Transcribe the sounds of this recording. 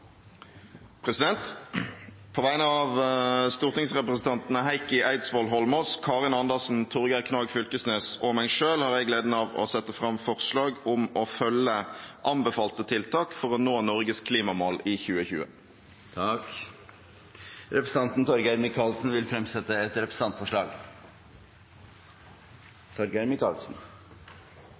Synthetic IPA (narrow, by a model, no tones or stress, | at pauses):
pʰʁɛsɪd̪ɛnt̪ | pʰoːʋæɪnəɑʋst̪uːʁt̪ɪŋsʁɛpɾəsn̩t̪ʰɑnt̪nəɦæɪkɪʔæɪd̪sʋɔlɦɔlmɔskʰɑːʁɪnɑnd̪əʁsn̩t̪ʰʊʁɡækʰnɑːɡfʏlkəsneːsɔmæɪʂøːlhɑːʁɛɪɡleːd̪nəɑːʋɔ̰sɛt̪ːəfʁɑmfɔʁslɑːɡʊmɔfœlːəʔɑmbəfɑːlt̪ət̪ʰɪlt̪ʰɑːkfɔʁɔnoːnɔʁɡəskʰliːmɑmɔliːçʉːəçʉ̰ːə̰ | t̪ʰɑk | ɾɛpɾəsəɑnt̪n̩t̪ʰɔɾɡæɾmɪkʰɑːlsn̩ʋɪlfɾɛmsɛt̪ːəɛt̪ɾɛpɾəsn̩ɑnt̪fɔʂɭɑːɡ | t̪ʰɔɾɡæɾmɪkɑ̰lsn̩